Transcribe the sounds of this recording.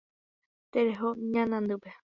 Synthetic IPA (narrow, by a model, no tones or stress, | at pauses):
t̪eɾeɦoɲãnãnd̪ɨpe